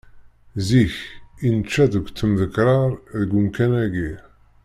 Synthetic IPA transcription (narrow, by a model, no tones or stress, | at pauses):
ziçinət͡ʃːæðəɡʷt͡s̪ːəmðəkɾˤɑɾˤðəɡʷʊmkænæɡi